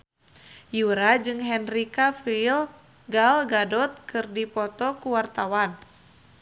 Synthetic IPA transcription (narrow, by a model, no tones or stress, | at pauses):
juɾad͡ʒɨŋɦɛnrikafil | ɡalɡadɔt̪̚kɨrdipɔt̪ɔkuwart̪awan